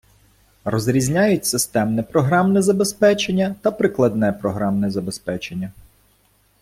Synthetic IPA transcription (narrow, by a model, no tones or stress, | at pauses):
rɔzɾʲizʲnʲajʊtʲsɪst̪ɛmnɛpɾɔɦɾɑmnɛzɐbe̞spɛt͡ʃenʲːɐt̪ɐpɾɪklˠɐd̪nɛpɾɔɦɾɑmnɛzɐbe̞spɛt͡ʃe̞nʲːɐ